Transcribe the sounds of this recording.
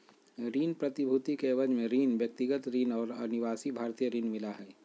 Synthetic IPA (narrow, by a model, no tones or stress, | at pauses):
ɾiːnpɾɐt̪ɪbʱut̪ikeʋəd͡ʒmẽɾiːnʋjək̚t̪ɪɡət̪ɾiːnɔːɾɐ̰nɪʋaːsibʱaːɾt̪iːjəɾiːnmɪlaɦɛː